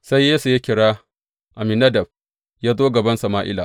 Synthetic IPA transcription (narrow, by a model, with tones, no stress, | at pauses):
sa˦jːeː˦su˨ja˦kʲɪ˨ɽaː˦ | ʔa˨mɪ˨nɐ˦dɐ˨b̚ | jaː˦zoː˦ɡɐ˨bɐ˦nsɐ˨maː˦ʔɪ̰˦laː˨